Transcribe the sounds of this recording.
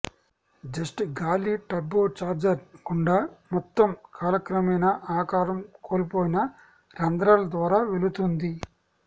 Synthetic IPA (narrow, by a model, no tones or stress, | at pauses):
d͡ʒɐsʈɡaːliʈɐbːoːt͡ʃaːɾd͡ʒɐɾkuɳɖaːmɔt̪ːɐmkʰaːlɐkɾɐmɐjnɐʔaːkaːɾɐmkʰoːlipoːjinɐ | ɾɐnd̪ɾaːlɐd̪ʋaːɾaːʋelut̪und̪i